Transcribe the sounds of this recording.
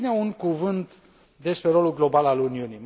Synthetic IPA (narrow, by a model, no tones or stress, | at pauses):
neuŋkuvɨnt̪ | d̪e̞spɾe̞ɾo̞lulɡlo̞balaluniunim